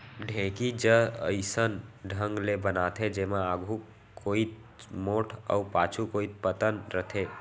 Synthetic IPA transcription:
ɖʱẽkid͡ʒəəɪsənɖʱəŋɡlebənat̪ʰɦed͡ʒemaaɡʱu | koit̪ | moːʈʰə̰upaːt͡ʃʰukoit̪̚pət̪ənɾət̪ʰe

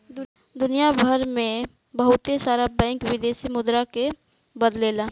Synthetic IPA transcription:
d̪ | d̪ʊnijabʱəɾmẽ | bəɦʊt̪esaːɾabɛ̃ːŋkwɪd̪eːsimʊd̪ɾake | bəd̪leːla

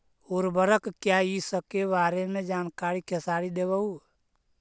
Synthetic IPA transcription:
ʊɾbəɾəkkjaisəkebaːɾemẽd͡ʒaːnkaːɾikʰesaːɽid̪eːbəu

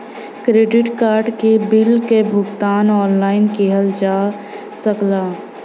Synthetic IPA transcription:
kɾeːɖɪʈkaːɾɖkebɪlkebʱʊɡt̪aːnɔːnlaːɪnkeɦəld͡ʒaː | səklaː

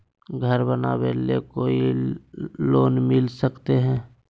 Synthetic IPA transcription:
ɡʱəɾbəna̰belekoːi | loːnmɪlsəkt̪eɦɛ̃ː

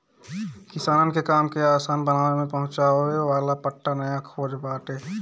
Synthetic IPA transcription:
kɪsaːnənkekaːmkeaːsaːnbənaːnemẽpəɦʊ̃t͡ʃaeʋaːlapəʈːanəjakʰoːd͡ʒbaːʈeː

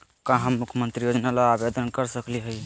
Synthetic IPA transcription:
kãɦəmːukʰjəmənt̪ɾijod͡ʒnalaabed̪ənkəɾsəkliɦəj

